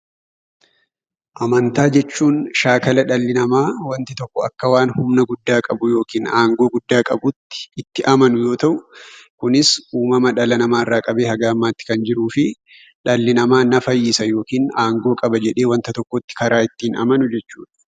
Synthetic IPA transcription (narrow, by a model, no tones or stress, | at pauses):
ʔɐmɐnt̪aːd͡ʒɛt͡ʃːuːnʃaːkɐlɐᶑɐlːɪnɐmaːwɐnt̪ɪt̪ɔkːɔɐ̰kːɐwaːnhʊmnɐɡʊd̪ːaːkʼɐbʊjo̞ːkiːnaːŋɡo̞ːɡʊd̪ːaːkʼɐbʊt̪ːɪ̥ɪt̪ːɪʔɐmɐnʊjo̞ːt̪ɐʔʊkʊnɪsʔuːmɐmɐᶑɐlɐnɐmaːɪrːaːkʼɐbe̞ːhɐɡaːmːaːt̪ːɪ̥kɐnd͡ʒɪɾuːfɪ | ᶑɐlːɪnɐmaːnɐfɐjːɪsɐjo̞ːkiːnaːŋɡo̞ːkʼɐbɐd͡ʒɛᶑe̞ːwɐnt̪ɐt̪ɔkːɔt̪ːɪ̥kɐɾaːɪt̪ːiːnɐ̰mɐnʊd͡ʒɛt͡ʃːuːᶑɐ̥